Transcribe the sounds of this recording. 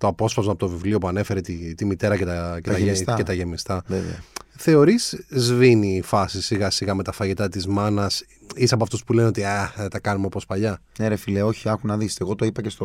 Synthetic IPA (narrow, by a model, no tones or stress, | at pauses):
t̪o̞ɐpo̞spɐzmɐpot̪o̞vivlio̞puɐne̞fe̞ɾet̪it̪imit̪e̞ɾɐcet̪ɐcet̪ɐce̞t̪ɐʝe̞mist̪ɐev̰ɐθe̞o̞ɾiszviniːfɐsisiɣɐsiɣɐme̞t̪ɐfɐʝit̪ɐt̪izmɐnɐs | isɐpoɐft̪ospule̞neot̪iaðet̪ɐkɐnumeopospɐʎɐneɾefileo̞çiɐxunɐðiseɣo̞t̪oipɐcest̪o